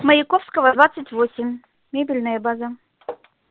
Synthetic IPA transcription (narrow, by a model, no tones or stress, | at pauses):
məjɪkofskəvəd̪vat̪sətʲvosʲɪmːʲ | ebʲilʲnəjəbazə